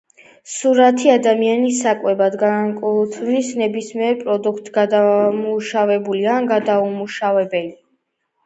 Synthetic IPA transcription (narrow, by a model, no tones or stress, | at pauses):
suɾat̪ʰiad̪amianisakʼwɛbad̪ɡakʼut̪ʰnisnɛbismiɛɾpʼɾɔd̪ukʰt̪ʼɡad̪amuʃavɛbulianɡad̪aumuʃavɛbɛli